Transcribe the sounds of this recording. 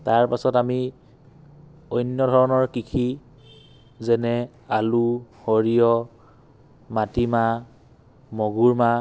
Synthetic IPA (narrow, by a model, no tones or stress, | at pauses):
taɹpasɔtami | ojnjɔdʱɔɹɔnɔɹkikʰi | zɛnɛ | aluhoɹijɔ | matima | mɔɡuɹma